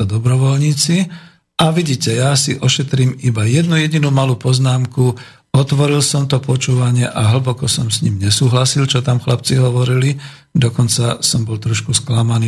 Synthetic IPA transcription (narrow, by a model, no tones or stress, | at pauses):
ɔd̪ɔbɾɔʋɔlɲiːt͡si | ʔaʋiɟiːcɛjasiʔɔʃɛt̪ɾiːmibajɛd̪nujɛɟinuːmaluːpɔznaːmku | ɔt̪ʋɔɾilsɔmt̪ɔpɔt͡ʃuːʋaɲɪɛʔaɦl̩bɔkɔsɔmsɲimɲɛsuːɦlasilt͡ʃɔt̪amxlap̚t͡siɦɔʋɔɾili | d̪ɔkɔnt͡sasɔmbɔlt̪ɾɔʃkusklamaniː